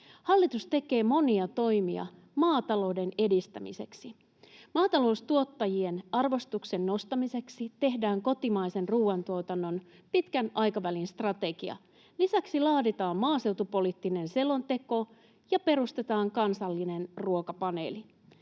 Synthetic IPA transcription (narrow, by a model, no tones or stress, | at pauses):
hɑlːit̪ust̪e̞ke̞ːmo̞niɑt̪o̞jmiɑ̰ | mɑːt̪ɑlo̞wde̞ne̞dist̪æmḭse̞̰ksi | mɑːt̪ɑlo̞uwst̪uo̞t̪ːɑjie̞nɑrʋo̞st̪ukse̞nːo̞st̪ɑmise̞ksit̪e̞ɦdæːŋko̞t̪imɑjse̞nruːɑnt̪uot̪ɑnːo̞n | pit̪kænʔɑjkɑʋælinst̪rɑt̪e̞ɡiɑ̰ | lisæksilɑːdit̪ɑːmmɑːse̞wt̪upo̞lit̪ːine̞nse̞lo̞nt̪e̞ko̞ | jɑpe̞ɾust̪e̞t̪ɑːŋkɑnsɑlːine̞nruokɑpɑne̞̰ːli